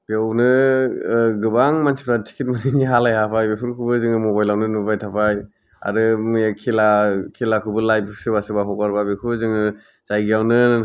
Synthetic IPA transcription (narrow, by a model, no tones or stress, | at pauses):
bewnɯ | ɡɯbaŋmansi̥pʰɾatʰi̥kʰitmaniniɦalajɦapʰajbepʰuɾkʰubɯzɯŋɯmɔbajlawnɯnubajtʰapʰaj | a̰ɾɯmɯjakʰelakʰelakʰɯbɯlajpʰɯsɯbasɯbaɦɔkaɾbabekʰubɯzɯŋɯ | z̥ajɡiawnɯ